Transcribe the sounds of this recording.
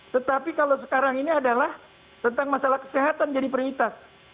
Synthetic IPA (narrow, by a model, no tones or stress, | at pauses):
t̪ət̪apikalowsə̥kaɾaŋiniadalah | t̪ənt̪aŋmasalahkə̥seɦat̪and͡ʒadipərwit̪as